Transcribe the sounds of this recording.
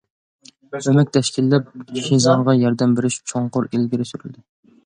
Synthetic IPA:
ømɛk̚ʲt̪ʰɛʃkʲilːɛp̚ʰʲʃizɑʁʁɑjɑɾd̪ɛmbeɾɪʃt͡ʃʰoɴqʊɾelɡʲiɾɪsyɾy̰ld̪ɪ

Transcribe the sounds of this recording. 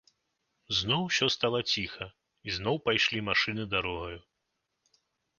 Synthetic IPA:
znɔwsʲɔst̪alˠɐt͡sʲixɐ | iznɔwpajʂlʲimaʂɨnɨd̪aɾɔɣɐju

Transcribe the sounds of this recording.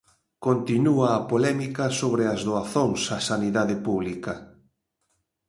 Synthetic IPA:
kont̪inuaːpolɛmikɐsoβɾɪazðoaθoŋsasaniðaðɪpuβlikɐ

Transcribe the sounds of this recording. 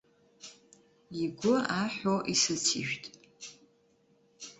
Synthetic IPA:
iɡʷʊaħoʔisɨt͡sʰḭʃᶣtʼ

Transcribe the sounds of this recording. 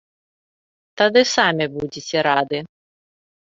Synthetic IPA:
t̪ad̪ɨsamʲibud͡zʲit͡sʲɛɾad̪ɨ

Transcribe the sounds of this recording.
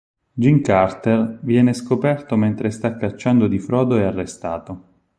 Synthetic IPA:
d͡ʒiŋkart̪ervjɛːneskopɛrt̪oment̪ɾest̪akːat͡ʃːand̪od̪ifɾɔːd̪oɛarːest̪a̰ːt̪o

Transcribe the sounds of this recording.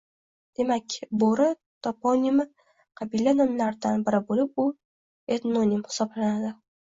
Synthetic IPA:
d̪̥e̞makʲboɾɪ | t̪ʰɒponim | qʰɑbilanɒmlaɾd̪anbɪɾɪbolɪp̚ʊ | et̪nonimhɪ̥sɒblanad̪ɪ

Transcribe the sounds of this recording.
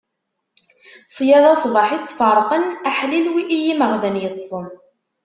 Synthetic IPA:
sˤjæðˤɑsˤbɑħit͡sːfɑrˤqənaħlilwiʔijiməʁðænjət̪ˤːsˤən

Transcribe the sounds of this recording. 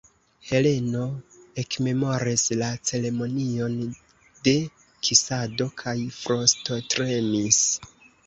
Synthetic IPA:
he̞le̞no̞e̞kme̞mo̞ɾislat͡se̞le̞mo̞nio̞n | de̞ | kʰisado̞kʰajfɾo̞sto̞tɾe̞mis

